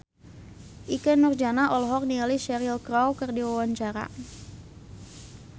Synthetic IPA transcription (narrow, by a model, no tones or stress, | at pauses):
ʔikɛnːurd͡ʒanaʔɔlɦɔk̚nialiʃɛɾilkɾawkərdiwawaɲt͡ʃaɾa̰